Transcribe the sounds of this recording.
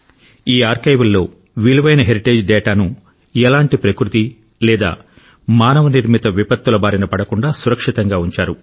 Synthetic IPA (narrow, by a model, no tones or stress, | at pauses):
iːaːɾkɐjʋɐlːo̞ː | ʋiluʋɐjnɐɦeɾiʈeːd͡ʒɖɛːʈaːnu | ɛlaːɳʈipɾɐkɾut̪i | lɛːd̪a̰ː | maːnɐʋɐniɾmit̪ɐʋipɐt̪ːulɐbaːɾinɐpɐɽɐkuɳɖaːsuɾɐkʂit̪ɐŋɡaːuɲt͡ʃaːɾu